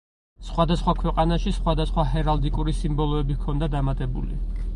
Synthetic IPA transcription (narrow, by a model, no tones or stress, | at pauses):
sχwad̪asχwakʰwɛqʼanaʃisχwad̪asχwaɦɛɾald̪ikʼuɾisimbɔlˠɔɛbikʰɔnd̪ad̪amat̪ʼɛbṵlḭ